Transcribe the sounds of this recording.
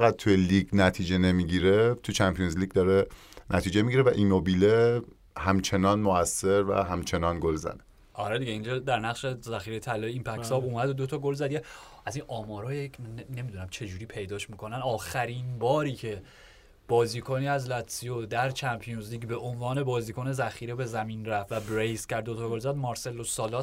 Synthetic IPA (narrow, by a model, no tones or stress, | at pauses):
fæɣæd̪̥̚t̪ʰujeliɡnæt̪ʰiːd͡ʒenemiɟiɾet̪ʰut͡ʃʰæmpʰijonzliɡ̚d̪ɒɾe | nʔæt̪ʰiːd͡ʒemiɟiɾevæʔinobile | hæmt͡ʃʰe̞nɒːnmoæsːe̞ɾvæ̰ɦæmt͡ʃʰe̞nɒːnɡolzæ̰ne | ʔɒɾed̪iɟeind͡ʒɒːd̪æɾnæɣʃe̞zæxiːɾejt̪ʰælːɒːjimpʰækssɒːbuːmæd̪od̪ot̪ʰɒːɡo̞lzæd̪ieʔæzinʔɒːmɒːɾɒːjecmænne̞mid̪unæmt͡ʃʰe̞d͡ʒuːɾiːpʰe̞jd̪ɒːʃmikʰo̞nænɒːxæɾinbɒːɾiːcʰe̞ | b̥ɒːziːkʰoniːæzlæt̪ʰsijod̪æɾt͡ʃʰæmpʰijonzliːɟbe̞ʔonvɒːne̞bɒːziːkʰone̞zæxiːɾebe̞zæmiːnɾæft̪væbɾejscæɾd̪ot̪ʰɒɡolzæd̪mɒːɾse̞lːosɒːlɒːs